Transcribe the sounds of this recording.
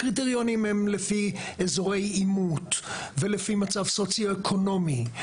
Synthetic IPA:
kʁit̪̬eʁjo̞nimhemlefiezo̞ʁe̞jimut̪velefimat͡savso̞t͡sjoekʰo̞no̞mi

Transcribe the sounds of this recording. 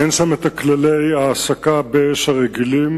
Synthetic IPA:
enʃamet̪aklalejaːsakabeeʃhaʁeɡilim

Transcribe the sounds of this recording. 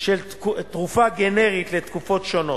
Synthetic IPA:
ʃel | t̪ʁufaɡeneʁit̪let̪kufo̞tʃono

